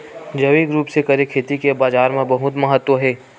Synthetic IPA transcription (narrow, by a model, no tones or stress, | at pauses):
d͡ʒɐʋiɡɾuːpsekɐɾekʰeːt̪ikebaːzaːɾmẽbɐɦʊt̪mɐɦət̪wəɦɛː